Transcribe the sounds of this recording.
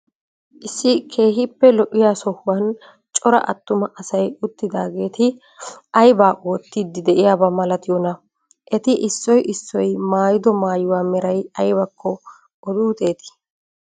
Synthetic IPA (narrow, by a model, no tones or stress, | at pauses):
ʔɪsːɪkʰe̞ːɦɪpːɛlɔʔɪjaːsɔhʊwɐn | t͡ʃʼɔɾɐ̰ʔɐ̰t̪ːʊmɐʔɐsɐjʊt̪ːɪd̪aːɡe̞ːt̪ɪ | ʔɐjbaːʔoːt̪ːiːd̪ːɪd̪ɛʔɪjaːbɐmɐlɐt̪ɪjɔnɐ | ʔɛt̪ɪʔɪsːɔjʔɪsːɔjmaːjɪd̪ɔmaːjʊwaːmɛɾɐjɐjbɐkʰːɔː | d̪uːt̪ʼe̞ːt̪ɪ̥